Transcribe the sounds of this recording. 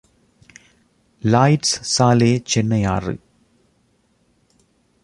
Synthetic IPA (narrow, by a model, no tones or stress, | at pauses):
laɪʈssaːleːt͡ʃɛnːɐjaːrɯ̰